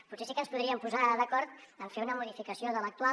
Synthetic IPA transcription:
putsesikənspuðɾiəmpuzaðəkɔɾt̪əɱfeunəmuðifikəsioðələk̚t̪ua

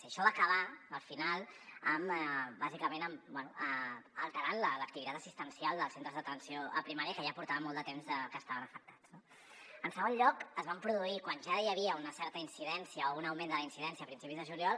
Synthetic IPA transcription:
siəʃɔβakəβ̞aəlˠfinalˠəmbazikəmenəmbwɛnuəəlˠt̪əɾanlələk̚t̪iβit̪at̪əsist̪ənsialˠd̪əlˠsent̪ɾəzðət̪ənsioə̰pɾimaɾjəkəʒapuɾt̪aβəmɔlˠd̪ət̪emzəkəːst̪aβənəfək̚t̪ḁt͡sno | ənsəɣ̞onʎɔkəzβampɾuðuikwanʒajəβ̞iəunəsɛɾt̪əinsiðɛnsijəounəwmẽnd̪ələinsiðɛnsiəːpɾinsipizðəʒuljɔlˠ

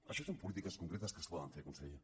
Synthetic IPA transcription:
ɐʃɔsompulit̪ikɐskuŋkɾet̪ɐskəspɔðə̰nfekunsḛʎe

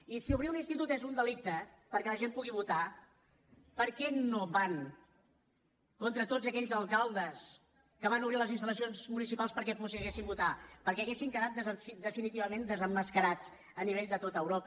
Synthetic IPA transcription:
isiuβɾiuninst̪it̪ut̪ezund̪əlik̚t̪ə | pəɾkɛləʒempuɣiβut̪a | pəɾkɛnoβaŋ | kont̪ɾət̪od͡zəkɛʎzəlˠkalˠd̪əs | kəβ̞anuβɾiləzinst̪ələsionzmunisipalˠspəɾkɛpɔsiəɣesimbut̪apəɾkɛəɣesiŋkəðat̪̚d̪əzəfid̪əfinit̪iβəmend̪əzəmːəskəɾat͡s | əniβeʎd̪ət̪ot̪əəwɾopə

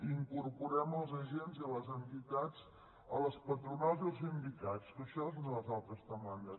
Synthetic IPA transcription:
iŋkurpuɾɛməlˠzəʒenziləzənt̪it̪at͡s | ələspət̪ɾunalˠziəlˠzimbit̪at͡skəʃɔznələzalˠt̪ɾəzt̪əmanəs

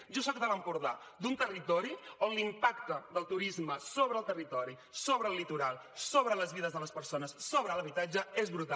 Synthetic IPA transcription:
ʒɔs̬ɔkd̪ələmpuɾða | d̪unt̪ərit̪ɔɾionlimpakt̪əd̪əlˠt̪uɾizməsoβɾəːlˠt̪ərit̪ɔɾi | soβɾəːlːit̪uɾalˠsoβɾələzβiðəzðələspəɾsonəsːoβɾələβit̪ad͡ʒəezβɾut̪a

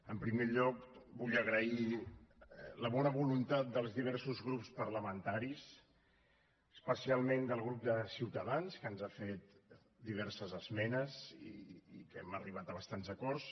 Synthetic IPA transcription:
əmpɾimeʎɔkbuʎəɣɾəi | ləβɔnəβ̞ulunt̪at̪̚d̪əlˠzðiβ̞ɛɾsuzɣɾupspərləmənt̪aɾis | əspəsialˠmend̪əlˠɣɾup̚d̪əsiwt̪əðanskənzafet̪ | d̪iβ̞ɛɾsəzəzmɛnəzḭikɛməriβ̞at̪əβəst̪anzəkɔrs

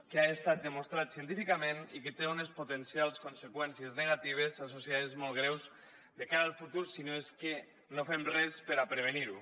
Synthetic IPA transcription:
keaest̪at̪̚d̪emost̪ɾat̪sient̪ifikamẽniket̪eunespot̪ensialˠskonsekwɛnsiezneɣat̪iβ̞esasosiaðezmolɣɾɛwz | d̪ekaɾalˠfut̪uɾsinoeske | nofemrɛspeɾapɾeβ̞eniɾu

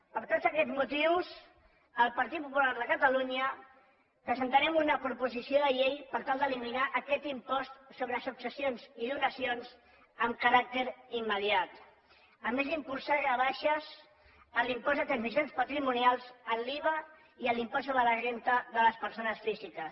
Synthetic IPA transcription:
pəɾt̪ozəkɛzmut̪iws | əlˠpəɾt̪it̪̚pupulaɾðəkət̪əluɲə | pɾəzənt̪əɾɛmunəpɾupuzisioðəʎejpəɾt̪alˠd̪əliminaʔəkɛt̪impɔst̪soβɾəsuksəsionziðunəsionz | əmkəɾak̚t̪əɾimːəðiat̪ | əmːezd̪impulˠsaʒəβ̞aʃəz | əlimpɔzd̪ət̪ɾənzisjonspət̪ɾimunialˠzəlːiβə | iəlimpɔssːoβɾələʒent̪əðələspəɾsonəsfizikəs

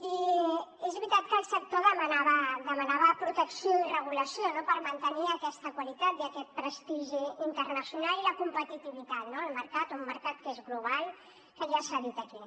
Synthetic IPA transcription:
i | ezβɾit̪at̪̚kəlˠsək̚t̪oðəmənaβəd̪əmənaβəpɾut̪əksioirəɣ̞uləsionopəɾmənt̪əniəkɛst̪əkwalit̪at̪̚d̪əkɛt̪̚pɾəst̪iʒiːnt̪ərnəsjunaliləkumpət̪it̪iβit̪at̪noəlˠməɾkat̪umːəɾkat̪̚kezɣluβ̞alˠ | kəʒiasəðit̪əki

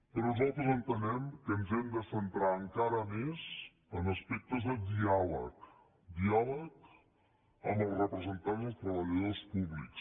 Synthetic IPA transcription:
pəɾɔnuzalˠt̪ɾəzənt̪ənɛmkənzɛmd̪əsənt̪ɾaəŋkaɾəmez | ənəspek̚t̪əzðəd̪ialə̰k | d̪iɔlək | əməlˠrəpɾəzənt̪anzət̪ɾəβəliaspuβlḭks

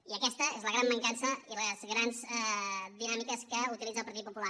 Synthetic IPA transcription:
iəkɛst̪əezləɣɾambəŋkansəiləzɣɾanzsɛðinamikəskəut̪ilid͡zəlˠpəɾt̪it̪̚pupula

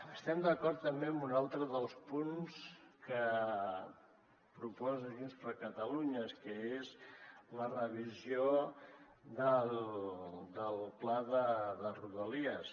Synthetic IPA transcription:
əst̪ɛmd̪əkɔɾt̪ːəmbeəmbunalˠt̪ɾəðəlˠspunskə | pɾupɔzəðinspɾəkət̪əluɲəskəezlərəβ̞izio | ðəl | d̪əlˠplaðəðəruðəliəs

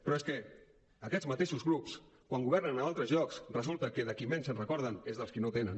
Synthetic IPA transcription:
pɾɔeskɛ | əkɛzmət̪eʃuzɣɾups | kwaŋɡuβɛrnənəalˠt̪ɾəzʎɔksrəzulˠt̪əkəðəkimensənrəkɔɾð̞ənezðəlˠskinot̪enən

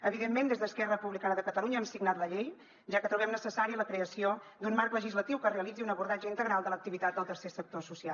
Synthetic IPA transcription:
əβiðemːend̪ezðəskɛrəpuβlikanəðəkət̪əluɲəɛmsiɡnat̪ləʎej | ʒakət̪ɾuβɛmnəsəsaɾiələkɾeəsiod̪unmaɾkləʒizlət̪iwkəreəlid͡ziunəβuɾðad͡ʒəint̪əɣɾalˠd̪ələk̚t̪iβit̪at̪̚d̪əlˠt̪əɾsesək̚t̪osusia

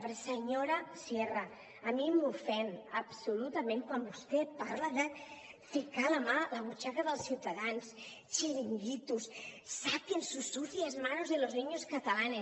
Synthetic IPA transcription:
pɾsəɲoɾasjeraː | mimufɛnapsulut̪amẽŋkwambust̪epaɾlaðəfikalamalaβut͡ʃakaðəlˠsiwt̪aðans | t͡ʃeɾiŋɡit̪usːapənsusːuθiazmanozðelozniɲoskat̪alane

